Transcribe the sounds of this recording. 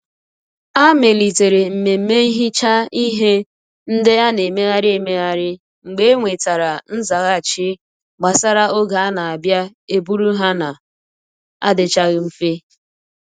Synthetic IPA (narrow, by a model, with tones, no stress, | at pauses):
a˦me˨li˨te˨ɾe˨m̩˨me˨m̩˨˦me˦i˦ɦi˦t͡ʃa˦i˦ɦe˦ | n̩˦dɪ˦a˦ne˨me˦ɣa˦ɾɪ˦e˨me˦ɣa˦ɾɪ˦ | ŋ͡m̩˨ɡ͡be˦ŋʷe˨ta˨ɾa˨n̩˦za˨ɣa˦˨t͡ʃɪ˦ | ɡ͡ba˨sa˦ɾa˦o˦ɡa˨a˦na˨a˨bja˦ | e˦bu˦ɾu˦ɦa˦na˨ | a̰˦dɪ˦t͡ʃa˦ɣɪ˦m̩˦fe˦